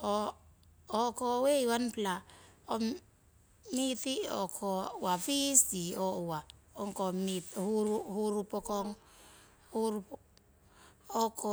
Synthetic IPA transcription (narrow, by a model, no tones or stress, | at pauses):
ɔ | ɔkɔweiwanplaɔ | mitiɔ̰kʰɔwafisdiɔwa | ɔŋkɔmithuɾuhuɾupɔkɔŋ | huɾup | ɔkʰɔ